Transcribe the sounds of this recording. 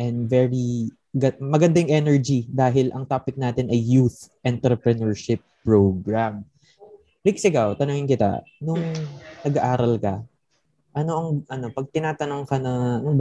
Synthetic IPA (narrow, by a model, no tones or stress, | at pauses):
ʔɛnd̪vɛɹi | ɡɐmɐɡɐnd̪ajŋʔɛnɛɹd͡ʒid̪aːɦɪlʔɐŋt̪aːpɪk̚naːt̪ɪnʔɐjːuθʔɛnt̪ɾɛpɾɐnɔɹʃɪpːɹowɡɹam | ɾiksɪɡawt̪ɐnʊŋɪnkɪt̪a̰nʊŋnɐɡɐʔaːɾɐlkɐ | ʔɐno̞ʔɐŋʔɐno̞pɐɡ̚t̪ɪnaːt̪ɐnoŋkɐnɐnʊŋb